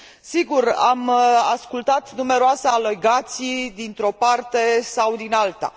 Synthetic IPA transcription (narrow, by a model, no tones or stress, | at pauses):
siɡuramaskult̪at̪nume̞ɾoasaːleɡat̪sid̪int̪ɾo̞part̪e̞sawd̪inalt̪a̰